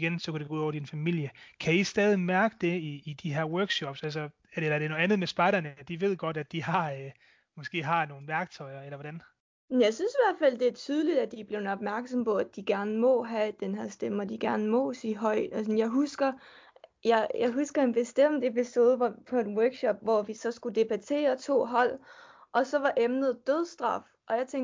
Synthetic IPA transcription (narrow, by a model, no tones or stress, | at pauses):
ɡensɒ̽kʰud̥eɡ̥ouð̩ˠɒ̰ɐd̥infæmil̰jəkʰæisd̥ɛːð̞ˠimæɐɡ̥əd̥e̝iːd̥iɦeɐwɜɐɡ̥ɕɒb̥sælsɐ | æelɐd̥e̝noðˠænð̩ˠmesb̥ɑ̈ɪɾ̥ɐnəd̥iʋe̝ð̰ˠɡ̥ɒ̽ɾ̥æ̥d̥ihɑ̈ | mɒ̽sɡ̥e̝̰ːɦɑ̈no̝ːn̩ʋæɐɡ̥̚t͡sʰɒ̽ɪ̰ɐelɐʋɒɾ̥æn | menjɑ̈ɪsynsiʋæɐ̰d̥fæl̰d̥e̝æɐt͡sʰyːð̞ˠlid̥æd̥ib̥le̝ʊnɒb̥̚mæɐɡ̥sɒ̽mpɒ̽æd̥iɡ̥æɐnmɔ̽ɦæd̥enɦæɐsd̥emɒd̥iɡ̥æɐnəmɔ̽siːɦɒ̽ɪ̰d̥ɒsɒn̩jɑ̈ɪɦusɡ̥ɐ | jɑ̈ɪjɑ̈ɪɦusɡ̥ɐe̝nb̥e̝sd̥em̰d̥e̝piso̝ːð̞ˠʋɒpʰɒ̽e̝nwɜɐɡ̥ɕɒ̽b̥̚ʋɒʋisɒ̽sɡ̥ud̥e̝b̥æt͡sʰe̝̰ːɐt͡sʰo̝̰ːɦɒ̽l̰ | ʔɒ̽sɒ̽ʋɑ̈ʔemnð̞̩ˠd̥øð̞ˠsd̥ʁɑ̈f | ʔɒ̽jɑ̈ɪt͡sʰeŋ